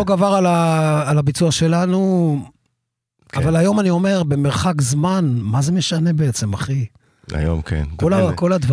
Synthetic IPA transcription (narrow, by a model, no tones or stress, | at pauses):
oɡavaʁalaːlabit͡suaʃe̞lanu | avalajo̞manio̞me̞ʁbe̞me̞ʁχakzmanmaze̞me̞ʃane̞beet͡se̞maχi | a̰jo̰mkḛnkolako̞lad̪va